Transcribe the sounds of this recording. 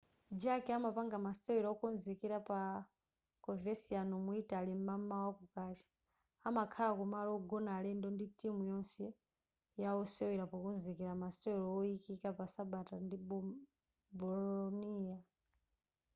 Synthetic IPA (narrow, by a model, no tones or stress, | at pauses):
d͡ʒakɛamapaŋɡamasɛwiɾaɔkɔnzɛkɛɾapa | kɔvɛsianɔmuitalimamawakukat͡ʃi̥ | amakʰalakɔmalɔɡɔnalɛndɔnditimujɔnsɛ | jaɔsɛwɛɾapɔkɔnzɛkɛɾamasɛɛlɔɔikikapasaɓatandi | bɔlɔniːa